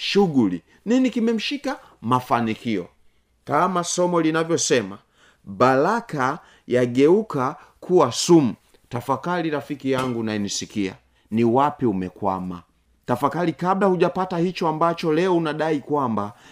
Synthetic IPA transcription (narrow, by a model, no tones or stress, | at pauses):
ʃuɡuli | ninikimɛm̩ʃika | mafanikiɔ̰ | kamasɔmɔlinavjɔsɛma | balaka | jaɡɛuka | kʰuwasum̩ | tafakaɾiɾafikijaŋɡunaɛnisikia̰ | niwapiumɛkwa̰ma̰ | tafakaɾikablahuʄapatahit͡ʃɔambat͡ʃɔlɛɔunaɗaikwamba